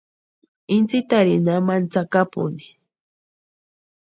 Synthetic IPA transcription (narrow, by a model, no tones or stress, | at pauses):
ɪnt͡sit̪aɾinamant͡sakapʊ̰ni̥